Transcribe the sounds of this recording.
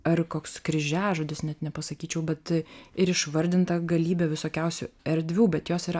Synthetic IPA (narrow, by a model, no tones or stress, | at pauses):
ɐrkoːkskɾʲɪʒʲæːʒoːd̪ʲɪsnʲɛt̪nʲɛpɐsɐkʲiːt͡ʃʲɛʊbʲɛt̪ɪɾɪʃʋɐɾʲd̪ʲɪnt̪ɐɡɐlʲiːbʲɛʋʲɪsoːkʲɛʊsʲṵɛɾʲd̪ʲʋʲuːbʲɛt̪joːsiːɾɐ